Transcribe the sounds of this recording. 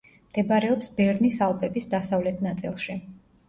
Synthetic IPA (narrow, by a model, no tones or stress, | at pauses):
md̪̥ɛbɾɛɔpsbɛɾnisalˠpʼɛbisd̪asavlɛt̪ʰnat̪sʼḭlˠʃi